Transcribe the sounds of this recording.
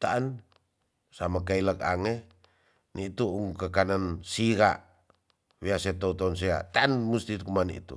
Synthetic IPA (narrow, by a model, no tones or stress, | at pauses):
t̪aʔan | samakailəka̰ŋe | nit̪uuŋkəkanansiɾa̰ʔ | wiaset̪ɔut̪ɔns̬ia̰t̪aːnmust̪ikumaniḭt̪ṵ